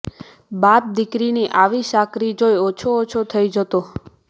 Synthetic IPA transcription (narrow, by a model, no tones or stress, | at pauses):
bap̚d̪ikɾiniʔaʋiʃakɾid͡ʒojot͡ʃʰoːt͡ʃʰot̪ʰəid͡ʒət̪o